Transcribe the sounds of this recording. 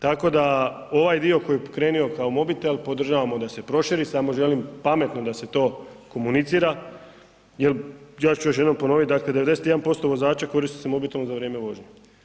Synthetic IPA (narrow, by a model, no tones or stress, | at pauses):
t̪ako̞d̪a | o̞ʋajd̪io̞ko̞jikɾe̞ːnio̞kaomo̞bit̪elpo̞d̪r̩ʒaʋamo̞d̪ase̞pɾo̞ʃiɾisamo̞ʒe̞limpame̞t̪no̞d̪ase̞t̪o̞ːko̞munit̪siːɾa | jeljaːt͡ʃujoʃjenompo̞no̞ʋit̪̚d̪akled̪eed̪eset̪jeanpo̞st̪o̞ʋo̞zaːt͡ɕako̞ɾist̪i̥semo̞bit̪elnozaʋɾʲjeːmeʋo̞ʒɲe